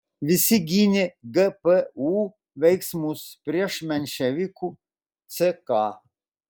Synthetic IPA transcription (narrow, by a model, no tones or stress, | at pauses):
ʋʲisiɡʲinʲɛɡəpəu | ʋʲɛjksmuspɾʲiɛʂmʲɛnʲʃɛʋʲikʰu | t̪səka